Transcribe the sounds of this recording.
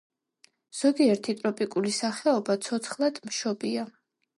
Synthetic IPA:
z̥ɔɡiɛɾt̪ʰit̪ʼɾɔpʼikʼulisaχɛɔbat̪sʰɔt̪sʰχlˠad̪̥mʃɔbia

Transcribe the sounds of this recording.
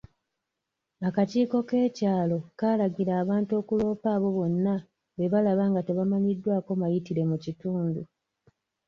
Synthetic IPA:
akaciːko̞ke̞ːcaːlo̞kaːlaɟiɾaːβaːnto̞kulo̞ːpaːβo̞βo̞nːa | βe̞βalaβaŋɡate̞βamaɲidːwaːko̞majitiɾe̞mucituːndu

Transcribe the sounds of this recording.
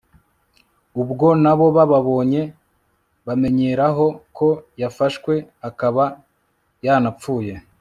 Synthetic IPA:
ubɡo̞naβo̞βaβaβo̞ːɲe̞ | βame̞ɲe̞ɾaɦo̞kʰo̞jafaʃkwe̞akaβa | janapp͡fuːje̞

